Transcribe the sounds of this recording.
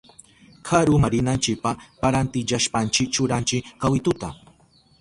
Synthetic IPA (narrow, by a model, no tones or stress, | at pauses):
kʰaɾʊmaɾɪnant͡ʃɪk̚papaɾant̪ɪʎaʃpant͡ʃɪk̚t͡ʃʊɾant͡ʃɪkawɪt̪ʊt̪a